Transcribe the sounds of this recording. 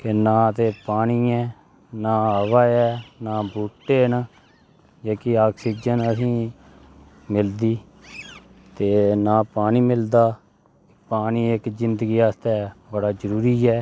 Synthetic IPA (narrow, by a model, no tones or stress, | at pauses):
kɪnãːt̪eːpaːniːɛː | naːəʋaːɛːnaːbuːʈːeːnː | d͡ʒaːkiaːksiːd͡ʒənəsĩː | mɪld̪iː | t̪eːnaːpaːniːmɪld̪aː | kɪpaːniːɪkzɪnd̪əɡiːaːst̪ɛːbəɽaːzəɾuːɾiːɛː